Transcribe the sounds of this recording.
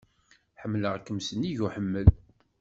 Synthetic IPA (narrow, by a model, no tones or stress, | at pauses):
ħəmːləʁkːəmsəniʝuħəmːəl